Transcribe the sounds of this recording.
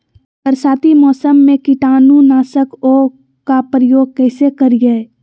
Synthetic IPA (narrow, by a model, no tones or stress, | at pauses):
pəɾsaːt̪ʰimɔːsəmːẽkɪʈaːnunaːsəkoː | kapɾəjoːɡ̚kɛːsekəɾɡɐe